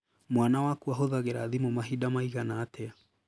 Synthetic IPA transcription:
mwanawakuaɦoðaɣeɾa̰ðimomaɦidamaiɣanaːtɛa

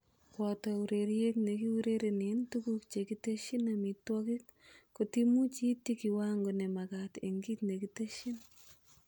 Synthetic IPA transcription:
kwɔtɔuɾeɾjeknekiuɾeɾenentukukt͡ʃekitəʃinamitwɔkik | kotimut͡ʃitːikiwaŋɡonemakatḛŋɡitnekitəʃin

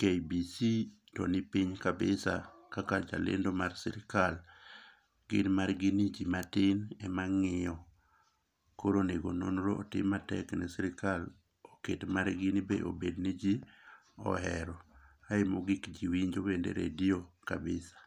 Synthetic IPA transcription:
kejbisitɔnɪpiɲkabɪsakakad͡ʒa̰lɪ̰ndomarsɪɾɪkal | ɡɪnmarɡɪnid͡ʒimatɪnɛmaŋɪɔ | koɾoneɡononɾoʔːtɪmatɛknɛsiɾɪkal | ɔketmaɾɡɪnibḛʔo̰bednid͡ʒi | ɔ̰ɦɛɾɔaɪmoɡikd͡ʒiwiɲd͡ʒobendḛɾḛdiokabɪsḁ

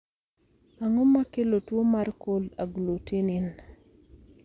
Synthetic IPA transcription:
aŋomakelotwomarkolaɡlotenɪn

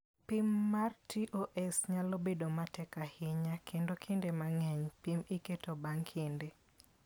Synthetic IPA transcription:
pimːartiʔoʔɛsɲalobedomatɛkahɪɲakʰendokʰendemaŋɛɲpimiketobaŋkʰende

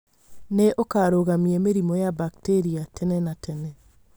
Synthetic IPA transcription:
neʔokaːɾoɣamiɛmeɾimɔjabakteɾiatʰɛnɛnatʰɛnɛ

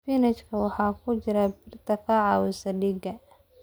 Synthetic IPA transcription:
fɪnɛt͡ʃkʰɐwɑħɑːkʰʊt͡ʃɪɾɐbɪrt̪ʰɐkʰɐʕɑːwɪsɐɖiɡɐ

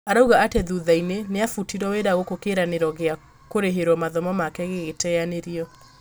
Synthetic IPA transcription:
aɾauɣaatɛðuðaineneafutiɾwɔweɾaɣokokeɾaneɾɔɣea | koɾeɦeɾwɔmaðɔmɔmakɛɣeɣetɛaneɾiɔ

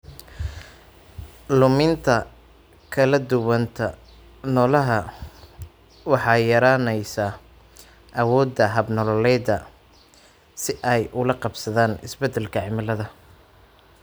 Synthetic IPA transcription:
lʊmɪnt̪ʰɐ | kʰɐlɐd̪ʊwɐnt̪ʰɐ | nɔːlɐɦɐ | wɑħɑːjɐɾaːnɛjsaː | ʔɐwɔːd̪ɐɦɐbnɔlɔlɛd̪ɐ | sɪʔɛjʔʊlɐqɑbsɐðaːnɪsbɛd̪ɛlkʰɐʕɪmɪlɐðɐ

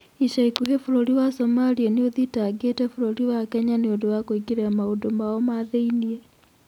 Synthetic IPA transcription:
iʃaikuɦefuɾoɾiwasomalieneoðitaːɡetɛfuɾoɾiwakɛɲaneondowakoikiɾeamaodomaɔmaðeiniɛ

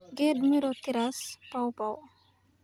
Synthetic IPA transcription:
ɡed̪myɾot̪iɾaspawpaw

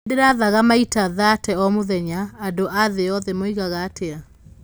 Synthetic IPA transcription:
deɾaðaɣamaitaðatʰɛɔmoðɛɲaadoʔaðeɔðɛmoiɣaɣatea

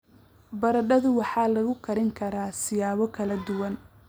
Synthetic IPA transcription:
bɐɾɐɖɐðʊwɑħɑːlɐɣʊkʰɐɾɪŋkʰɐɾaːsɪjaːβɔkʰɐlɐd̪ʊwɐn

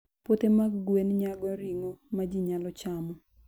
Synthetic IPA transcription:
potemaɡɡwenɲaɡɔɾiŋomad͡ʒiɲalɔt͡ʃamɔ

